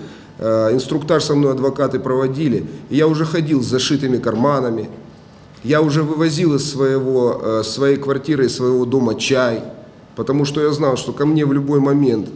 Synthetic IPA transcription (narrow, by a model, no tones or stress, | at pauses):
ɪnst̪ɾʊkt̪arsɐmno̞jɐd̪vɐkat̪ɨpɾəvɐdʲilʲɪjaʊʐɛxɐdʲilˠzɐʂɨt̪ɨmʲɪkɐrmanəmʲɪ | jaʊʐɛvɨvɐzʲilˠɪsːvɐjɪvosːvɐjejkvɐrtʲiɾɨɪsːvəjɪvo̞d̪o̞mɐt͡ɕæj | pət̪ɐmuʂt̪o̞jaznɑlˠʂt̪o̞kɐmnʲe̞vlʲʊbo̞jmɐmʲe̞nt̪